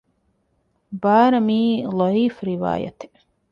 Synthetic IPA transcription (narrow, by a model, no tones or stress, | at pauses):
baːɾɐmiːlˠɔiːfɾiʋa̰ːja̰t̪